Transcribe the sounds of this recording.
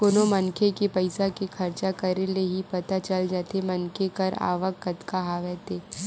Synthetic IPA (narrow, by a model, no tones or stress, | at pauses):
koːnomɐnkʰekipɐɪsakikʰɐɾt͡ʃakɐɾeleɦipɐt̪at͡ʃəld͡ʒat̪emɐnkʰekɐɾa̰ːʋəkːət̪kaɦaːʋɛːt̪eː